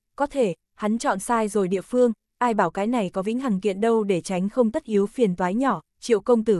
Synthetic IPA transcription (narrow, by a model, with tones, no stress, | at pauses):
kɔ˨˦t̪ʰe˧˩ | ha˨˦nt͡ɕɔ̰˧˨nsaː˧jzo˨˩jɗḭ˧˨əfɨ˧əŋ | ʔaː˧jɓaː˧˩wkaː˨˦jna˨˩jkɔ˨˦vḭ˧˥ŋ̟ɦaː˨˩ŋkḭ˧˨ənɗə˧wɗe˧˩t͡ɕa˨˦jŋ̟xə˧wŋ͡mt̪ə˦˥t̚ʔi˨˦əwfi˨˩ənt̪waː˨˦jɲɔ˧˩ | t͡ɕḭ˧˨əwkə˧wŋ͡mt̪ɨ˧˩